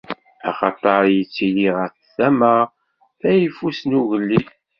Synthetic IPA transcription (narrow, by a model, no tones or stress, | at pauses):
æ̰χɑt̪ˤɑɾˤjit͡sːiliʁəɾθθæməʁ | θæjifusnuʝəlːi